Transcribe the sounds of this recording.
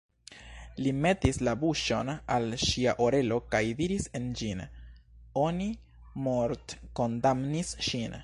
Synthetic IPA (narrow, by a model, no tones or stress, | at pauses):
lime̞tislabuʃo̞nalʃiaʔo̞ɾe̞lo̞kajdiɾise̞nd͡ʒin | o̞ni | moɾtko̞ndamnisʃin